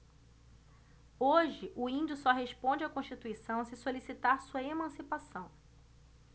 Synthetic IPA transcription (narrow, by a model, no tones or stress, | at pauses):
oʒɪʔʊĩnd͡ʒʊsɔɦeʃpõnd͡ʒɪakõʃt͡ʃit̪uisɐ̃w̃sɪsolisit̪aɾsuɐemɐ̃sipasɐ̃w̃